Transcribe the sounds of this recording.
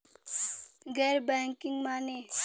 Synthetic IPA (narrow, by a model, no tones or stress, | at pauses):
ɡɛɾbɛːŋkiŋɡmane